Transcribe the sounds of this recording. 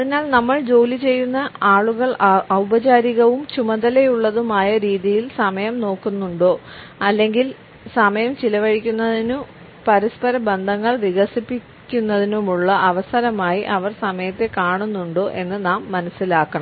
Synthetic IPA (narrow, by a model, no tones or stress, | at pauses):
ɐðinaːlnɐmːɐɭd͡ʑo̞ːlit͡ɕe̞jːunːɐaːɭuɣɐɭɐwbɐt͡ɕaːɾiɣɐʋumt͡ɕumɐðɐle̞juɭːɐðumaːjɐɾiːðijilsɐmɐjɐmno̞ːkːunːuɳɖo̞ː | ɐlːe̞ŋɡil | sɐmɐjɐmt͡ɕilɐʋɐɻikʲːunːɐðinum | pɐɾispɐɾɐbend̪ʱɐŋːɐɭʋiɣɐsipːi | kʲːunːɐðinumuɭːɐʔɐʋɐsɐɾɐmaːjiʔɐʋɐrsɐmɐjɐt̪ːe̞kaːɳunːuɳɖo̞ːʔe̞nːɨnaːmːɐnɐsːilaːkːɐɳɐm